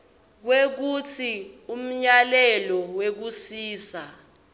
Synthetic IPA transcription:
k̬wek̬ut͡sʰium̩ɲalɛlɔwek̬usiːsa

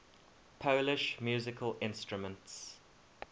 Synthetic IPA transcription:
pʰoʊlɪʃmjuːzɪkʰəlɪ̃nstɹʊmə̃nts

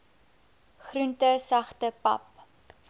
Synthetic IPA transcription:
χruntəsɐχtəpɐ̰p

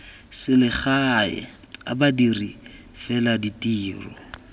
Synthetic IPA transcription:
sɪlɪχaɪ̰ | a̰badiri | fɛladitiːrɔ̰

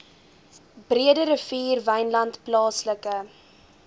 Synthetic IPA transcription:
briədəɾəfiːrvɛjnlɐntplɑːsləkə

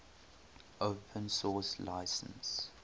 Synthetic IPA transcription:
oʊpʰə̃nsɔːsla̰ɪsə̰̃ns

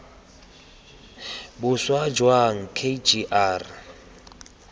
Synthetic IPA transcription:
bʊswad͡ʒwaŋ̩kʰed͡ʒiʔaːr

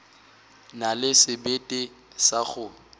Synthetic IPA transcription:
nalɪsɪbetʼɪ | saχʊ

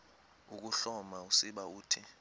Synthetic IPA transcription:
uk̬uɬɔmausiɓauːtʰi

